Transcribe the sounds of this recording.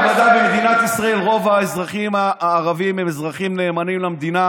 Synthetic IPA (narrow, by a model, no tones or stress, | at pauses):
mad̪abemed̪inat̪isʁae̞lʁo̞vaezʁaχimaːʁavimemezʁaχimne̞ːmanimlamd̪ina